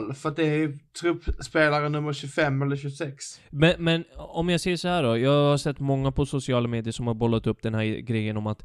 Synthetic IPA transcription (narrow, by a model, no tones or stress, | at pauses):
lfœɾat̪̚d̪ɛæɾjɵt̪ʰɾɵpːspeːlaɾənɵmːəɾɕʉfɛmːɛlːəɾɕɵsɛksmɛnmɛnɔmjasɛːʂɔhæːɖɔjɑːɡhaɾʂɛt̪ːmɔŋːapʰɔsʊsɪɑːlameːd̪ɪəʂɔmhaɾbɔlːat̪ɵpːd̪ɛnhæːɾɡɾɛjːənɔmat̪